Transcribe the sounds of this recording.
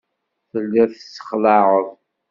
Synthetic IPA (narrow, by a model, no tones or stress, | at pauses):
θəlːɪɾθsːə̥χlɑʁəðˤ